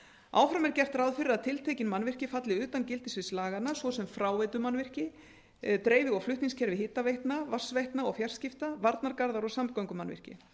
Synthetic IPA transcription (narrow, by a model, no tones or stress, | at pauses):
a̰ːwfɾamɛɾcɛr̥t̪rawðfɪɾɪɾaðt̪ʰɪlt̪ʰeːjcɪnmanvɪr̥cɪfat̪lɪʏːt̪ancɪlt̪ɪsvɪslaːɣanasvɔsɛmfɾaːwvɛt̪ʏmanvɪr̥cɪ | t̪ɾeːjvɪɣɔflʏht̪niŋscʰɛɾvɪhɪt̪ːavejht̪navar̥svejht̪naɔɣfjar̥scɪft̪avaɾt̪naɾkaɾðaɾɔɣsamkawŋkʏmanvɪ̰r̥cɪ̰